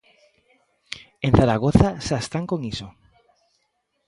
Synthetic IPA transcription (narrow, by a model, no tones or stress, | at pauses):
en̟θaɾaɣ̞oθaʃaest̪aŋkoŋiso